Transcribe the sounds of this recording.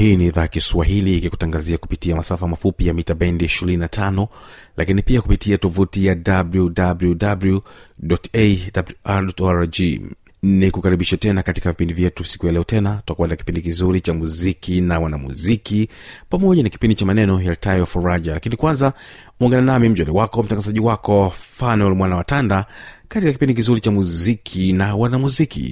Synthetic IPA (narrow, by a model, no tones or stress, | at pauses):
hiːniːðajakiswahiliːkiku̥taŋɡaziaku̥pitiamasafamafupijamitaɓɛndiiʃiɾininatʰanɔlʔakinipiakupitiatɔvutijadabludabludabludɔtedabluʔadɔtɔaɾd͡ʒi | nikukaɾiɓiʃɛtɛnakatikavipindivjɛtusi̥kujalɛɔtɛnatu̥takuanaki̥pindikizuɾit͡ʃamuzikinawanamṵzikipamɔʄanaki̥pindit͡ʃamanɛnɔjaltajɔfuɾaʄalakinikwanza | uɔŋɡananamim̩d͡ʒɔlɛwakɔm̩taŋɡazaʄiwakɔfanɛlmwanawatandakatikakipindikizuɾit͡ʃamuzikʰinawanamuzikḭ